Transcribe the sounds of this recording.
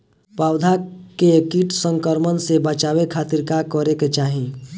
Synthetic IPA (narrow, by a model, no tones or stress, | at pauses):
pawd̪ʱakekiʈsəŋkəɾmənsebət͡ʃabekʰat̪iɾkakɔɾeket͡ʃaɦĩ